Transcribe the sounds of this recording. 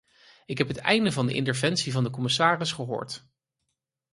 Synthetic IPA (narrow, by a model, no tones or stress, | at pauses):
ɪkɦɛpɦətɛ̰jndəvɑndəʔɪ̰ntəɹvɛnsivɑndəkɔmɪsaːrɪsχəɦʊ̰ːɹt